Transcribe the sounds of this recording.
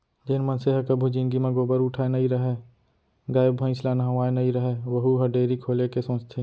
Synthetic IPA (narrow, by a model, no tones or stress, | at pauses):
d͡ʒɪnmənseɦəkəbʱud͡ʒinɡimãɡoːbəɾʊʈʰaenəiɾəɦe | ɡaːɪbbʱə̃slanəɦə̃ʋaːenɐɦiɾəɦeʋəɦuɦəɖeːɾikʰoːlekesõːt͡ʃt̪ʰẽ